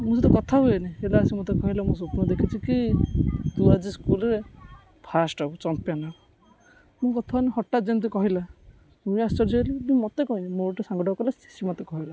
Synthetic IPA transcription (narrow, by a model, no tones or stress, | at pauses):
mũset̪ɔkɔt̪ʰaɦuenielaːsimɔt̪ekɔɦilamũs̬opnɔd̪ekʰit͡ʃʰiki | d̪uad͡ʒiskulɔɾe | pʰasʈɔbut͡ʃɔnt̪̚pjanau | mũkɔt̪ʰaɦuniɦɔʈːad͡ʒent̪̬ikɔɦila | ũast͡ʃɔɾd͡ʒɔelimũmɔt̪ekɔɦinimoʈesaŋɡɔʈɔkɔlasi̥simɔt̪ekɔɦila